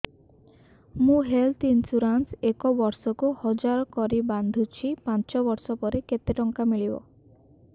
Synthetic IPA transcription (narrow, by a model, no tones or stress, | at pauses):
mũɦelt̪insuɾansekɔbɔɾsɔkuhɔd͡ʒaɾɔkɔɾiband̪ʱut͡ʃʰipãnt͡ʃɔbɔɾsɔpɔɾeket̪eʈɔŋkamiɭibɔ̰